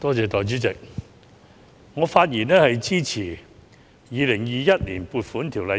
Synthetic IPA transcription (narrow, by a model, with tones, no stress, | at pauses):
t̪ɔː˥t͡sɛː˨˧t̪ɔː˨jt͡ʃyː˨˥t͡sɪ˨k̚ | ŋɔː˨˧faː˧t̚jiː˨˩nɛː˥hɐ˨jt͡siː˥t͡sʰiː˨˩ | jiː˨˧lɪ˨˩ŋjiː˨˧jɐ˥t̚liː˨˩npuː˧t̚fuː˨˥nt̪ʰiː˨˩wlɐ˨